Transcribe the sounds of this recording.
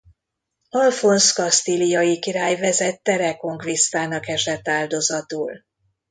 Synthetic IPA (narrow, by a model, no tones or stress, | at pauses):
ɒlfo̞nskɒst̪ilijɒjikiɾaːjvɛzɛt̪ːɛɾɛko̞ŋkvist̪aːnɒkɛʒɛt̪ːaːld̪o̞zɒt̪uːl